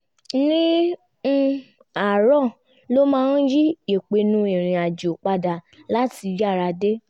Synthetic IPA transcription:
nĩ˦˧ | a˨ɾɔ˦˨ | lo˦mãː˦˧˦n̩˦ji˦e˨k͡pe˧nũ˧˦e˨ɾ̃ĩ˨a˨d͡ʒo˨k͡pa˧da˨ | la˨˦ti˧d͡ʒa˦˨ɾa˧de˦

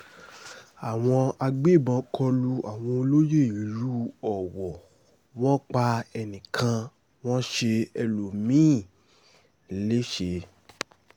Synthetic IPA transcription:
a˨w̃ɔ̃˧a˧ɡ͡be˦˨bɔ̃˧˦kʰɔ˧lu˧a˨w̃ɔ̃˧o˧lo˦je˦˨i˨˦ɾu˦ɔ˨wɔ˨ | w̃ɔ̃˦k͡pa˧ɛ˧nĩ˨kʰã˧ | w̃ɔ̃˦ʃe˧ɛ˧lo˨mĩː˨˦˨ | le˦ʃe˧

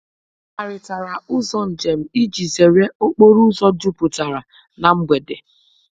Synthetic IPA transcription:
a˨ɾɪ˨ta˨ɾa˨ʊ˦zɔ˦n̩˨d͡ʒe˨m̩˦i˦d͡ʒi˨ze˨ɾe˦o˦k͡po˦ɾu˦zɔ˦du˦pu˨ta˨ɾa˨ | na˨ŋ͡m̩˦ɡ͡be˨de˨

